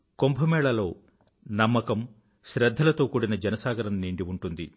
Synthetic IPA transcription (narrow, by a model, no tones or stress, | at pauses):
kompʰɐmɛːɭɐlo̞ː | nɐmːɐkɐm | ʃɾɐd̪ʱːɐlɐt̪o̞ːkuːɽinɐd͡ʒɐnɐsaːɡɐɾɐnniːɳɖiuɳʈund̪i